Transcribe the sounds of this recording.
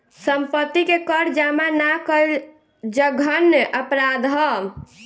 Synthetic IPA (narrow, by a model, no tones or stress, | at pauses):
səmpət̪ːikekəɾd͡ʒamanakəl | d͡ʒəɡʱənːʔəpɾad̪ɦɔ